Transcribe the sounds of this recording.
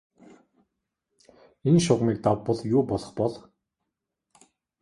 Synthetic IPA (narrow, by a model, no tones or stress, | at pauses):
enʃʊʁmiːkt̪awpːə̆ɮjʊːpɔɮɞ̆χpɔɮ